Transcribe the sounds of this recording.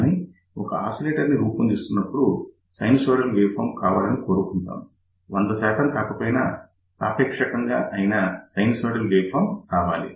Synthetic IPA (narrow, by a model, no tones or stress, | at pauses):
ni | ɔkɐaːsoleːʈɐɾniɾuːpund̪ist̪unːɐpːuɽu | sɐjnsoːɽɐlʋeːpʰɐ̰ːmkaːʋaːlɐnikoːɾukuɳʈa̰ːmu | ond̪ɐsɛːt̪ɐmk̪aːkɐpoːjnɐ̰ | pɾa̰ːpɛːkʂɐkɐŋɡaːʔɐjnɐsɐjnsoːɽɐlʋeːpʰaːmkaːʋaːlḭ